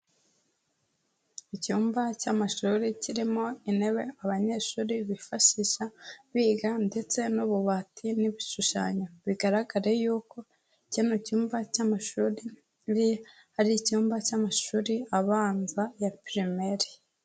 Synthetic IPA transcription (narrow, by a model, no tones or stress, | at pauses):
icuːmbacamaʃuɾiciɾimo̞ine̞βe̞aβaɲe̞ʃuːɾiβifaʃiʃaβiːɡande̞t͡se̞nuβuβatʰiniβiʃuʃa̰ɲoβiɡaɾaɡaɾe̞juːko̞ | icinocuːmvacamaʃuɾi | ɾi | haɾicuːmbacamaʃuːɾiaβaːnzajapɾimeɾi